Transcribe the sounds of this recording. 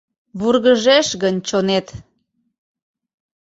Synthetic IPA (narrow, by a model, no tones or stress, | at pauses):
βurɣəʒeʃɣənʲt͡ɕonet̪